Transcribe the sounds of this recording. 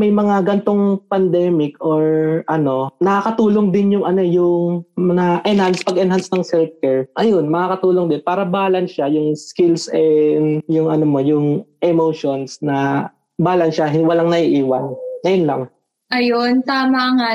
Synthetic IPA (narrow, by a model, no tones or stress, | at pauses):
mɐjmɐŋaɡɐnt̪o̞ŋpɐnd̪ɛːmɪkʔoɹʔɐno̞nɐkakɐt̪uːloŋd̪ɪnjʊŋʔɐno̞jʊŋmɐŋaʔɛnhanspɐɡʔɛnɦansnɐŋsɛlf̚kɛɹʔɐjo̞nmɐkakɐt̪uːloŋd̪ɪnpaːɾɐbaːlɐnʃajʊŋskɪlsɛnjʊŋʔɐnomo̞jʊŋʔɛmowʃonsnɐ | baːlɐnʃaɦwɐlaŋnɐʔiʔiːwɐnŋɐjonlɐ̰ŋ | ʔɐjont̪aːmɐŋa